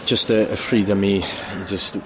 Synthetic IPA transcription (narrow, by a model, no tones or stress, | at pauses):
ʒ̥ʌstəəfɹiːdə̃mid͡ʒəst